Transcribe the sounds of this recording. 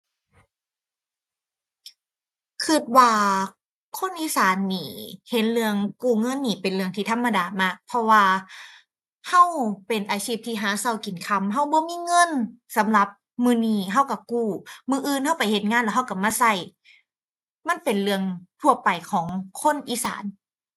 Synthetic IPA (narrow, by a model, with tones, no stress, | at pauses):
kʰɯ˧˩t̪̚waː˧ | kʰo˧˥˨nʔiː˧˨saː˨˦nːiː˧˩he˨˦nlɯ˧əŋkuː˧˩ŋɤ˧˥˨nːiː˧˩pe˨nlɯ˧əŋt̪ʰiː˧˩t̪ʰa˧˥˨mːa˧daː˨˩maː˧˥˩k̚pʰɔ˧waː˧ | ha˧˥˩wpe˨˩nʔaː˨˦siː˧˩p̚t̪ʰiː˧˩ɦaː˨˦sa˧˩wki˨˩nkʰa˧˥mɦa˧˥˩wbɔː˧˦miː˧˥˨ŋɤ˧˥˨nsa˨˦mla˧˦p̚ | mɯː˧˨niː˧˩ɦa˧˩wka˧˩kuː˧˩mɯː˧ʔɯː˧˨nha˧˩˨wpa˨˩jhe˨˦t̪̚ŋaː˧˥˨lɛ˧˩ɦa˧˩˨wka˧˩maː˧˨sa˧˩j | ma˧˥˨npe˨˩nlɯ˧əŋt̪ʰu˧˩ɐpa˨˩jkʰɔː˨˩˦ŋkʰo˧˥˨nʔiː˧˥sa̰ː˨˦n